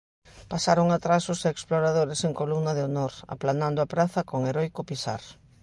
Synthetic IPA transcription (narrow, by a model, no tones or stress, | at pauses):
pasaɾoŋat̪ɾasʊseeksploɾaðoɾeseŋkolumnɐðeonoɾa̰planand̪ʊapɾaθɐkoŋeɾɔjkʊpisa̰ɾ